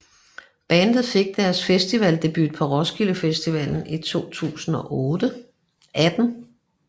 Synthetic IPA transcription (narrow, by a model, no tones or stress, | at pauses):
b̥ænd̥ð̩ˠfe̝ɡ̥̚d̥æɐsfesd̥iʋɛld̥e̝b̥yd̥̚pʰɒ̽ʁɒsɡ̥iləfesd̥iʋɛ̰ln̩it͡sʰo̝̰ːt͡sʰṵːsn̩ɒ̽ʔɔːd̥ə | ʔæd̥n̩